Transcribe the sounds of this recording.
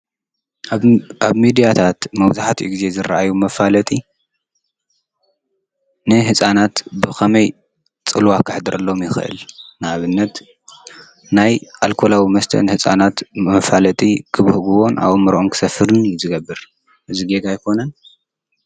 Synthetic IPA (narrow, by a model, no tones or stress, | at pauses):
ʔaβmid̪ijat̪ʰat̪mɐβzaħat̪ʰiʔṵɡize̞zɨɾʔajumɐfalɐt̪ʼi | nɨɦɨsʼanat̪bɨxʰɐmɐj | t͡sʼɨlwakʰɨħd̪ɨɾʔɐlːo̞mjɪxɨ̰ʔɨ̰lnɨaβɨnːɐt̪ | najʔalkʰo̞lawimɐst̪ʰɐ̰nɨhɨsʼanat̪mɐfalɐt̪ʼikʰɨβɨhɨɡuwo̞na̰βomːɨɾʔonkʰɨ̥sɐfɨɾɨnjuzɨɡɐbːɨɾ | ʔɨziɡeɡajkʰo̞nɐn